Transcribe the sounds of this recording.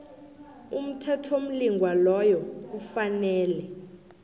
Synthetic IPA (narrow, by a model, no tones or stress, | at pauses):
um̩tʰɛtʰom̩liŋɡʱwalɔjɔk̬ufanɛːlɛ